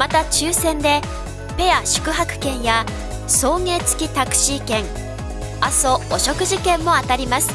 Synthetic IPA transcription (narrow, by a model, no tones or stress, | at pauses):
mat̪at͡ɕɨːsẽ̞nd̪e̞ | pe̞aɕɨ̥kɯ̟ɦakɯ̟̥kẽ̞ɰ̃ja | so̞ːŋe̞ːt͡sɨ̥kʲit̪akɯ̟̥ɕiːkẽ̞ŋ | aso̞oɕo̞kɯ̟ʑikẽ̞mːo̞at̪aɾʲimasɨ̥